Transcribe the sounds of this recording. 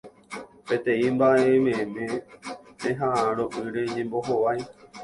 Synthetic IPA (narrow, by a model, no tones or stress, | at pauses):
pẽ̞t̪ẽ̞ĩmbaʔe̞mẽmẽ̞pẽɦãʔãɾoʔɨɾe̞ɲẽ̞mbo̞ɦoʋaj